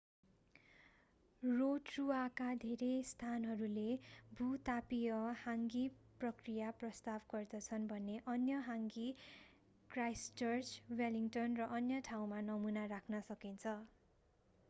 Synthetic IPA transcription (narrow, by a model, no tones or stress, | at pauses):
roʈruakad̪ʱeɾest̪ʰanɦʌɾulebʱut̪apijʌhaŋɡiprʌkrijaprʌst̪abɡʌrd̪ʌt͡sʰʌnbʱʌnːeʔʌnjʌɦaŋɡi | krajst͡ʃʌrt͡swaliŋʈʌnrʌʔʌnjʌʈʰaw̃manʌmunarakʰnʌsʌkint͡sʰʌ